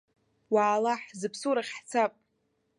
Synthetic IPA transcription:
waːlaħzɨpʰsuɾaχʲħt͡sʰapʼ

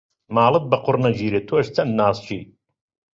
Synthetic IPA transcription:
maːlˠɨt̪̚bɐqʊrnɐd͡ʒiːɾet̪ʰoʃt͡sʰɐnd̪naːst͡ʃʰḭː

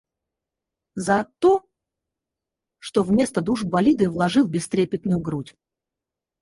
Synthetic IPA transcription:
zɐt̪o | ʂt̪o̞vmʲe̞st̪əd̪uʐbɐlʲid̪ɨvlˠɐʐɨlˠbʲɪst̪ɾʲepʲɪt̪nʊjʊɡɾutʲ

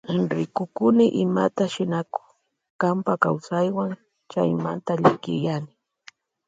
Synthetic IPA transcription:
ɾɪkʊkʊnɪʔɪma̰t̪aʃɪnakʊ̥ | kampakawsajwaŋ | t͡ʃa̰jmant̪aʎɪkɪ̰janɪ

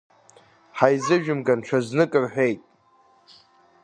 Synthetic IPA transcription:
ħajzɨʒᶣʊmɡanʈ͡ʂʰaznɨkʼɨrħʷᶣejtʼ

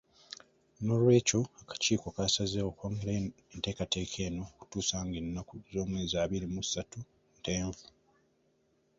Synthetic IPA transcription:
no̞lwe̞ːco̞akḁciːkokasazewokwoːŋɡele | ente̞ːkate̞ːkʰe̞ːno̞ku̥tuːsaːŋɡenːakuzo̞ːmwe̞ːzaːβiɾimusatu | nte̞ːɱvu̥

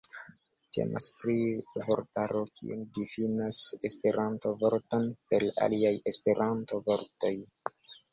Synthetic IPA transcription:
tʰe̞̰ma̰spɾivoɾtaɾokʰḭundifinase̞spe̞ɾʔantovo̞ɾtonpe̞ɾa̰liaje̞spe̞ɾʔanto̞vo̞ɾto̞j

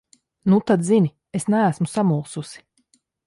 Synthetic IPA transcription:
nut̪ad̪zinʲi | esnæːsmusamuːsusi̥

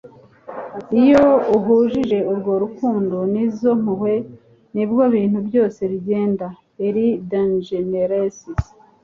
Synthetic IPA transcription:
ijouɦuːʒiʒe̞uɾɡo̞ɾukuːndonizo̞m̥uhwe̞ | nibɡoβiːn̥hubɟo̞ːse̞ɾiɟe̞ːnda | eɾidanʒeneɾasis

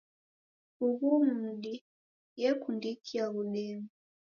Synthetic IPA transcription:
uβumuɗi | jɛkundikʰiaβuɗɛmu

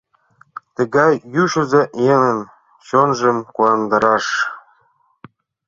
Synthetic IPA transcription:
t̪ə̆ɣɑjːyʃɘ̆zeʔjenə̆n | ɕonʒə̆mkuɑnd̪ɤɾɑʃ

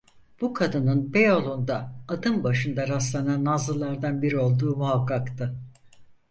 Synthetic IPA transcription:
b̥ukʰad̪ɯnɯnbe̞jolˠund̪aːd̪ɯmbaʃɯnd̪aɾaslˠananːazlˠɯlˠːaɾd̪anbiɾio̞lˠd̪uːmuɦakʰːakt̪ʰɯ

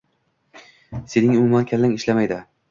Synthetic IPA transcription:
se̞nɪŋʊmʊmankʲʰalːaŋʲɪʃlamajd̪ɪ

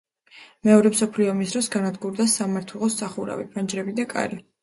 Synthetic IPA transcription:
mɛɔɾɛmsɔpʰliɔmisd̪ɾɔsɡanad̪ɡuɾd̪asamaɾt̪ʰwɛlˠɔsaχuɾa̰vipʰand͡ʒɾɛbid̪akʼa̰ɾi

